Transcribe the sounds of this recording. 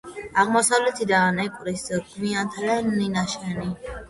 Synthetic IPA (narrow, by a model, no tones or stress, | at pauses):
aʁmɔsavlɛt̪ʰid̪anɛkʼɾisɡ̥miant̪ʰad̪aninaʃɛni